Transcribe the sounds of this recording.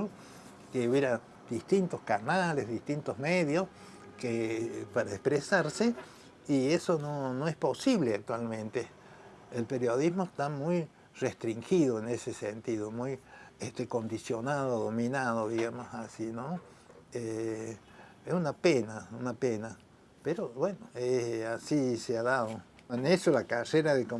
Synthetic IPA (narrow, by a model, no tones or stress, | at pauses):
o | keuβjeɾa | d̪ist̪int̪ohkanalezðist̪int̪ozmeðjos | kepaɾaespɾesaɾse | iesononoehsposiβleak̚t̪walmẽnt̪e | elpeɾjoðizmoeht̪amuj | rest̪ɾiŋxiðoenesesent̪iðomujest̪ekond̪isjonaðoðomĩnaðoðiɣamosasino | e | esunapenaunapena | peɾoβwenoeasiseaðaðo | enesolakareɾaðeko